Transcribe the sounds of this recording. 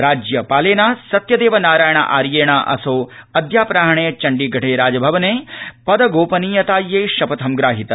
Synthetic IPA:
ɾaːd͡ʒjɐpaːleːnaːsɐt̪jɐd̪eːʋɐnaːɾaːjɐɳɐ̰ʔa̰ːɾjeːɳaʔɐ̰soːɐd̪ʱjaːpɾaːɦɐɳejɐt͡ʃɐɳɖiɡʱɐʈʰeːɾaːd͡ʒɐbʱɐʋɐneːpɐd̪ɐɡoːpɐniːjɐt̪aːjːeːʃɐpɐt̪ʰɐmɡɾaːɦit̪ɐ

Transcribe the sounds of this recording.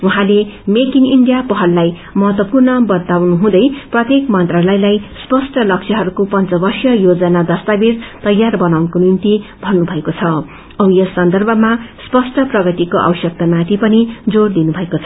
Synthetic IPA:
uɦãlemekiniɳɖijapʌɦʌlːaj | mʌɦʌt̪wʌpurnʌbʌt̪awnuɦũd̪ʌjprʌt̪jekmʌnt̪ralʌjlajspʌsʈʌlʌksʰjʌɦʌɾukopʌnt͡sʌbʌrsjʌjod͡zʌnad̪ʌst̪abiɾt̪ʌjːarbʌnawnʌkonint̪ib̥ʱʌnːubʱʌekot͡sʰʌ | ʌwjʌsʌnd̪ʌrbʱʌmaspʌsʈʌprʌɡʌt̪ikoʔa̰bʌsjʌk̚t̪amat̪ʰipʌnid͡zord̪inubʱʌekot͡sʰʌ

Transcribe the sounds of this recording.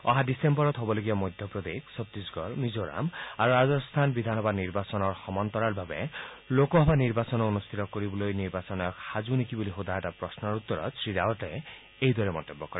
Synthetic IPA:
ɔ̰ɦadisembɔɾɔt̪ɦobɔloɡiamɔjd̪ʱjɔpɾɔd̪eksɔt̪ɾisɡɔɹmizoɾa̰maɾuɾazɔst̪ʰanbid̪ʱanɔbadniɾbasɔnɔɹxɔmɔnt̪ɔɾaɹbʱabḛ | lokɔɦɔbaniɾbasɔnɔonust̪ʰit̪ɔkoɾibɔlojniɾbasɔnɔjɔkhazunekiboliɦod̪ʱaɦatapɾɔsnɔɾut̪ːɔɾɔ̰sɹidaɔʈa | ejd̪wɔɾɛmɔ̰nt̪ebːɔkɔɾe

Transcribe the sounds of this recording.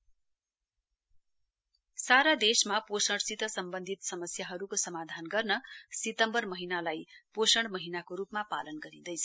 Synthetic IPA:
saɾad̪esmaposʌɽsit̪ʌsʌmbʌnd̪ʱit̪sʌmʌsjaɦʌɾukosʌmad̪ʱanɡʌrnʌsit̪ʌmbʌrmʌɦinalajposʌɽmʌɦinakoɾupmapa̰lʌnɡʌɾid̪ʌjt͡sʰʌ̥

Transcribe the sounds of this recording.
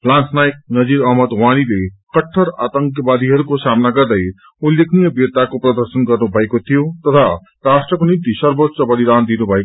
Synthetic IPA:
plansnajek̚nʌd͡ziɾʌɦmʌd̪wañilekʌʈʰːʌɾa̰t̪ʌŋkjʌbad̪ʱiɦʌɾukosamnaɡʌrd̪ʌj | uljeknijʌbiɾt̪akoprʌd̪ʌrsʌnɡʌrnubʱʌekot̪ʰijot̪ʌt̪ʰa | rasʈrʌkonit̪isʌrbot̪ːsʌbʌɽid̪and̪inubʱʌek

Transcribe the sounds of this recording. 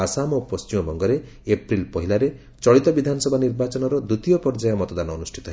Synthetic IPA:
asamɔpɔst͡ʃimɔbɔŋɡɔɾe | epɾilpɔɦilaɾe | t͡ʃɔɭit̪ɔbid̪ʱanɔsɔbʱaniɾbat͡ʃɔnɔɾɔd̪ut̪ijɔpɔɾd͡ʒajɔmɔt̪ɔd̪anɔːnusʈʰit̪ɔɦe

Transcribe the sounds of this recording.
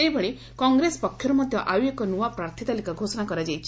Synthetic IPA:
ejbʱɔɭe | kɔŋɡɾespɔkʰːjɔɾmɔd̪ʱjɔʔajuekɔnuʋapɾaɾt̪ʰit̪alikaɡʱosɔnakɔɾad͡ʒajt͡ɕʰi̥

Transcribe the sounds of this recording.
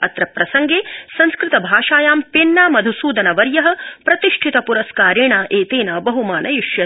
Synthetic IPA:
ɐ̰t̪ɾɐpɾɐsɐŋɡeːsɐnskɾɪt̪ɐbʱaːʃaːjaːmpenːaːmɐd̪ʱusuːd̪ɐnɐʋɐɾjɐɦɐ̆pɾɐt̪iʂʈʰit̪ɐpuɾɐskaːɾeːɳaːʔeːt̪eːnaːbɐɦumaːnɐjuʃjɐ

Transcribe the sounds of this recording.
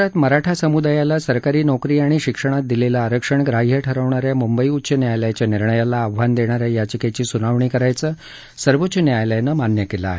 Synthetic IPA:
at̪məɾaʈʰasəmud̪ajalasəɾkaɾiːnɔkɾiːaɽ̃iɕikʂəɽ̃at̪̚d̪ilelaːɾəkʂəɳɡɾaɦijəʈʰəɾəʋɳaɾjamumbəiut̪ːɕənjajljat͡ɕjaniɾɳəjalaːʋʋand̪eɽ̃aɾjajat͡ɕikat͡ɕiːsunaʋɳiːkəɾajt͡səː | səɾʋot̪ːt͡ɕənjajljanəmanjəkela̰ːɦe

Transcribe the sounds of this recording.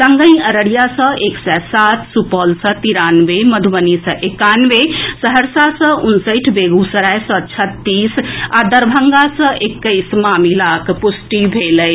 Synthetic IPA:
səŋɡə̃j̃əɾəɽijasə̃ʔeksɛsat̪ʰsupəlsə̃t̪iɾanʋeməd̪ʱʋənisə̃ʔekanʋesəɦəɾsasə̃ʔunsəʈʰbeɡusəɾajsə̃t͡ʃʰət̪ːisad̪əɾbʱəŋɡasə̃ʔekːəɪsmamilakpusʈibʱeləj

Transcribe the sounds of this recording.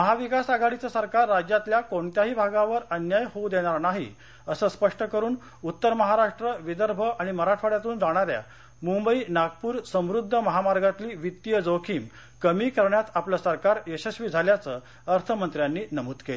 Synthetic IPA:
məɦaʋikasaɡaɽit͡sasəɾkaɾːad͡ʑjat̪ljakoɳt̪jaɦiːbʱaɡãʋəɾənjajhowd̪eɽ̃aɾnaɦḭ | əsəːspəʂʈəkəɾuːn | ut̪ːəɾməɦaɾaʂʈɾəʋid̪əɾbʱəʔaɽ̃iməɾaʈʰfaɽjat̪uːnd͡zaɽ̃aɾja̰ | mumbəiːnaɡpuːɾsə̃mɾud̪ʱːəməɦamaɾɡat̪liːʋit̪ːijəd͡zokʰiːm | kəmiːkəɾɳjat̪apləsəɾkaɾjəɕəɕʋiːd͡zʱaljat͡səː | əɾt̪ʰəmənt̪ɾjanːiːnəmuːt̪kele

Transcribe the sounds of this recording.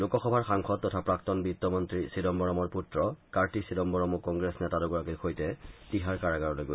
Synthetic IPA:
lukɔxɔbʱaɹxaŋxʰɔd̚ːɔtʰapɹaktɔnbitːɔmɔntɹisidɔmbɔɹɔmɔɹputɹɔkaɹtisidɔmbɔɹɔmukɔŋɡɹesnɛtadɔɡɔɹakikʰojtɛtiɦaɹkaɹaɡaɹɔlojɡo

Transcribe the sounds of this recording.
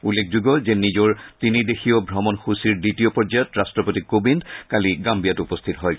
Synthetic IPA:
ulːekʰzuɡɔzenizɔɹtinidexʰiobʱɹɔmɔnxusiɹditiopɔɹd͡ʒajɔtɹastɹɔpotikobindkaliɡambijatupɔst̪ʰitɔɦɔj

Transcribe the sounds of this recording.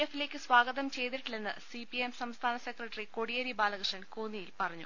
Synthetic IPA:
efːile̞ːkʲːɨsʋaːɡɐðɐmt͡ɕe̞jt̪̬iʈːiɭe̞nːɨ̰sipiemsɐmst̪ʰaːnɐsekrɐʈːɐriko̞ɽijɐɾibaːlɐkrɨʂɐnkoːnijilpɐrɐɲːṵ

